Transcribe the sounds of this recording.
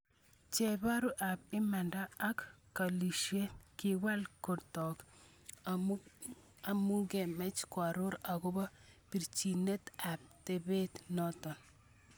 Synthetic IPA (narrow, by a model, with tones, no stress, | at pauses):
t͡ʃe˨ba˦ɾu˦ʔa˨p̚ɪ˦ma˨ndaː˦kkːa˨li˨ʃje˦ki˨wa˦lko˨dtɔ˨k | a˨mu˦ɡe˨mɛ˦t͡ʃkwa˨ɾʊ˦ɾa˨ɡo˦ba˦pi˨ɾt͡ʃi˨ne˦t̪a˨p̚te˨be˦t̪nɔ˦t̪ɔ˨n